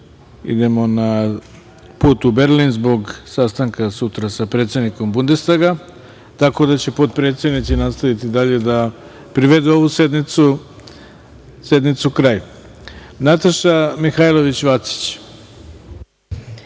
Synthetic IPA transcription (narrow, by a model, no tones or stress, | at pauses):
ḭd̪e̞mo̞na | puːt̪ube̞ɾlinzbo̞ɡsast̪aŋkasut̪ɾasapɾet̪sʲe̞d̪niko̞mbund̪e̞st̪aɡa | t̪ako̞d̪at͡ɕe̞po̞t̪pɾe̞t̪sje̞d̪nit̪sinast̪aʋit̪id̪aʎe̞d̪a | pɾiʋe̞d̪uo̞ʋuse̞d̪nit̪su | se̞d̪nit̪sukɾaju | nat̪aʃamixajlˠo̞ʋit͡ɕʋat̪si̥t͡ɕ